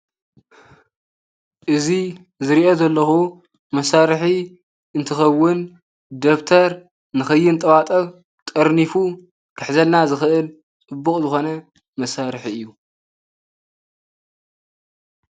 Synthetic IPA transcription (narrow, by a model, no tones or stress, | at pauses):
ʔɨzi | zɨɾiʔo̞zɐlːɐxu | mɐsaɾħi | ɨnt̪ʰɨxɐwːɨn | d̪okt̪ʰɐɾ | nɨxɐjːɪnt̪ʼɐwat̪ʼɐ | t̪ʼɐɾnifu | kʰɨħzɐlnazɨxɨʔɨl | t͡sʼɨbːukʼzɨxo̞nɐ | mɐsaɾħiɨjːu